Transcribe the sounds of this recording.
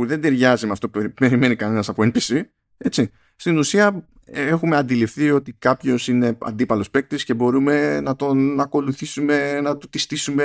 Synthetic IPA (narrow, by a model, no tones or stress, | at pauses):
puðe̞nd̪e̞ɾʝɐzimeɐft̪o̞pe̞ɾime̞nikɐne̞nɐsɐpo̞enpisi | e̞t͡si | st̪inusiɐ | exumeɐnd̪ilifθio̞t̪ikɐpço̞sine̞ɐ̰nd̪ipɐlo̞spe̞k̚t̪isce̞bo̞ɾume̞nɐt̪o̞nɐko̞luθisume̞nɐt̪ut̪ist̪isume